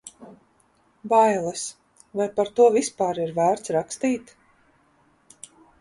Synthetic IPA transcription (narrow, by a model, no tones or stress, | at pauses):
bajlˠas | vajpaɾt̪uɔvispaːɾiɾvæːɾt̪sɾakst̪iːt̪